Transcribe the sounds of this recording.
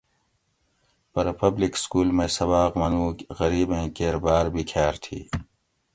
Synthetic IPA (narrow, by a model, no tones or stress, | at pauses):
pɐɾpɐblikskuːlmẽːsɐbaːqmɐnũːɣɐɾiːbẽːkeːɾbaːɾbʱiːkʰaːɾt̪ʰḭː